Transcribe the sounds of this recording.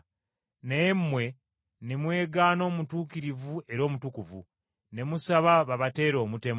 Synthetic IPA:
nemːwe̞ | nemwe̞ːɡaːno̞ːmutuːkiɾivue̞ɾo̞ːmutukuvṵ | ne̞musaβaβaβate̞ːɾo̞ːmute̞m

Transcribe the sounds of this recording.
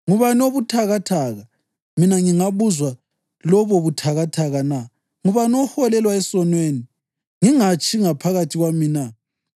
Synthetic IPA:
ŋuβanioβutʰaɣatʰaɣa | minaŋiŋaβuzwa | lɔβɔβutʰaɣatʰaɣana | ŋuβanɔhɔlɛlwaɛsɔnweːni | ŋiŋat͡ʃʰʼiŋapʰaɣatʰiɣwamina

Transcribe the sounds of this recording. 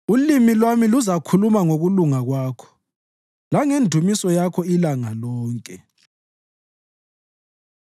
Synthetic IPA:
ulimilwamiluzakʰulumaŋoɣuluŋaɣwaːkʰɔ̥ | laŋendʱumisɔjakʰɔilaŋalɔːŋkʼɛ

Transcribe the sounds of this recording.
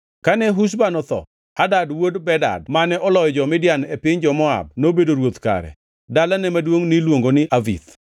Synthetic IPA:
kanɛɦuʃ̬banɔt̪ɔ̰ | adadwodbɛda̰dmanɛʔɔlɔjd͡ʒɔmɪdjanɛpɪɲd͡ʒɔmɔa̰b̚nobedoɾwot̪ka̰ɾɛ̰ | dalanɛmadwoŋnɪlwoŋɡonɪʔavḭt̪

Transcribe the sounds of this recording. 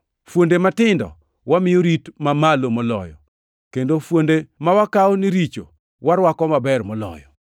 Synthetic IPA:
fwondematɪndɔ̰ | wamɪjoɾitmamalomɔlɔ̰jɔ̰ | kendofwondemawakaɔniɾit͡ʃo̰ | waɾwakɔmabɛrmɔlɔ̰jɔ̰

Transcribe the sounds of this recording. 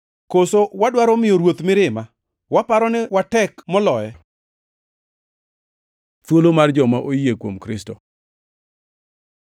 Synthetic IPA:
kosowadwaɾɔmɪjoɾwot̪mɪɾɪma | wapaɾɔnɛwatɛkmɔlɔɛ | twolomard͡ʒɔmaʔojekwomkɾɪstɔ

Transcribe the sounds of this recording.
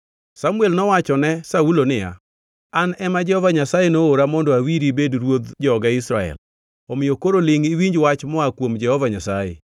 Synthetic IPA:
samuɛlnɔwat͡ʃɔnɛsaulonɪja̰ | anɛmad͡ʒɛhɔvaɲasajenooɾamɔndɔawiɾibedɾwod̪d͡ʒɔɡaɪsɾaɛ̰l | ɔmɪjokoɾolɪŋiwiɲd͡ʒwat͡ʃmɔakwomd͡ʒɛhɔvaɲasajḛ

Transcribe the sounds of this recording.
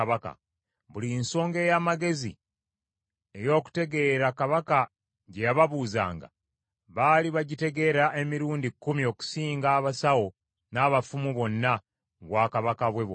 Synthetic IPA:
βaka̰ | βulinso̞ːŋɡe̞jamaɡe̞zḭ | e̞jo̞ːku̥te̞ɡe̞ɾakaβaka | ɟejaβaβuːza̰ːŋɡa̰ | βaliβaɟite̞ɡe̞ɾaʔe̞miɾuːndikːumio̞ːku̥siːŋɡaːβasawo̞ | naːβafumuβo̞nːa | ŋɡwaːkaβakaβwe̞βo

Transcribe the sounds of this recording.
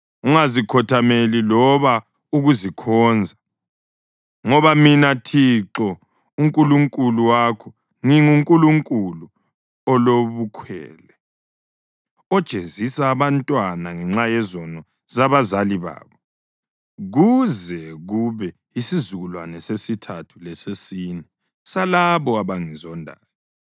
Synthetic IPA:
uŋazikʰɔtʰamelilɔβa | uɣuzikʰɔnd͡zʱa | ŋɔβaminatʰiǁɔ | uŋkʼuluŋkʼuluwaːkʰɔ | ŋiŋuŋkʼuluŋkʼulu | ɔloβukʰwɛ̰ːlɛ | ɔd̥ʒ̥ʱezisaːβantʼwanaŋɛŋ͡ǁajɛzɔnɔ | zaβazaliβa̰ːβɔ | ɣuzɛɣuβɛ | isizuɣulwa̰nɛsesitʰatʰu̥lɛsesiːnɛ | salaβɔaβaŋizɔndʱa̰ːjɔ

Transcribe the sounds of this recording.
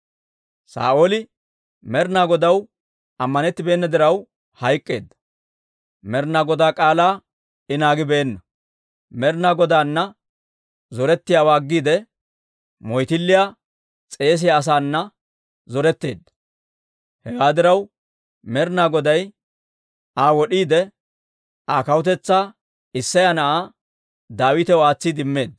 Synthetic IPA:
sa̰ːʔoːlɪ | mɛɾnaːɡɔd̪ɐw | ɐmːɐnɛt̪ːɪbe̞ːnːɐd̪ɪɾɐw | hɐjkʼːe̞̰ːd̪ːɐ̥ | mɛɾnaːɡɔd̪aːkʼaːlaː | ɪnaːɡɪbe̞ːnːɐ | mɛɾnaːɡɔd̪aːnːɐ | zɔɾɛt̪ːɪjaːwaːɡːiːd̪ɛ | mɔjt̪ɪlːɪja | t͡sʼe̞ːs̬ɪjaːs̬aːnːɐ | zɔɾɛt̪ːeːd̪ːɐ | hɛɡaːd̪ɪɾɐw | mɛɾnaɡɔd̪ɐj | aːwɔɗiːd̪ɛ | aːkɐwʊt̪̬ɛt͡sːaː | ɪsːɐjanɐʔaː | d̪aːwɪt̪ɛwaːt͡sːɪd̪ɪmːe̞ːd̪ɐ

